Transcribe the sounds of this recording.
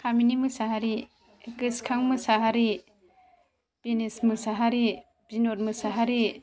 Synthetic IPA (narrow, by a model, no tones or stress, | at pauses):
kʰaminimɯsaɦaɾi | eɡɯskʰaŋmɯsaɦaɾi | b̥enesmɯsaɦaɾi | b̥inoɾ̚mɯsaɦaɾi